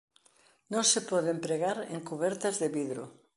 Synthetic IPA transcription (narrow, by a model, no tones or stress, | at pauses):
nõŋsepɔðempɾeɣaɾḛŋkuβɛɾt̪azðeβiðɾo̰